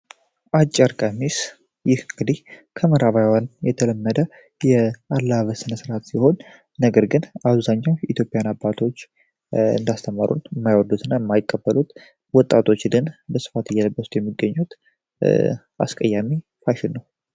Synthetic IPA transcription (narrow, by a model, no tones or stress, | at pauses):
ʔat͡ʃʼːaɾkʼamis | jɪhɨŋɡɨd̪ihkʰəməɾaβajwanjɛt̪ʰələmːəd̪ə | jɛalːaβəsɨnəsɨɾat̪siho̞nː | əɡəɾɡɨnaβzaɲːawit̪ʰjo̞pʼɪjanabːat̪ʰo̞t͡ʃː | ɨ̰nd̪ast̪ʰəmaɾʔṵnɨmːajwɔd̪ut̪ʰɨnːajəmːajɪkʼːəbːəlut̪ | wɔt̪ʼːat̪ʰo̞t͡ʃːd̪ɨnbəsɨ̥fat̪ɨjːɛləbːəsut̪jɛmːiɡːəɲːut̪ | ʔa̰skʼəjːamifaʃɪnːəw